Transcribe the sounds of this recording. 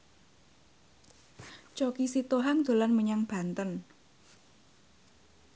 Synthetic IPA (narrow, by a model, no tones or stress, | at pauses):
t͡ʃokisit̪oɦaŋd̪̥o̤lanməɲaŋb̥a̤nt̪ən